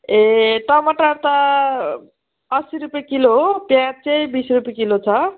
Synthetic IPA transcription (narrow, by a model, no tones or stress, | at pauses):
ẽʈʌmʌʈaɾt̪ʌ | ʌsiɾupjekilopjãt͡sʌjbisrupjekilot͡sʰʌ